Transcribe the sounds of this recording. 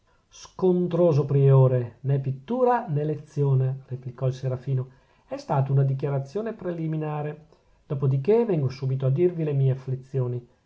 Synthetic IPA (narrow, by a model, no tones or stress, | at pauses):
skont̪ɾoːzopɾioːɾenɛpit̪ːuːɾanelet̪sːjoːnereplikɔilseɾafiːno | ɛst̪aːt̪ounad̪ik̬jaɾat̪sːjoːnepɾeliminaːɾe | d̪̥ɔːpod̪ikevɛŋɡosuːbit̪oad̪ːirvilemiːeaflit̪sːjoːni